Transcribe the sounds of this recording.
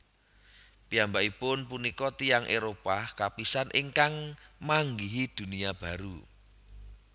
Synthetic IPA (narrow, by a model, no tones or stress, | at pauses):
piambaʔipʊnpunikɔt̪ijaŋʔeɾopakapisanʔiŋkaŋmaŋɡiɦid̪̥ṳnijab̥a̤ɾu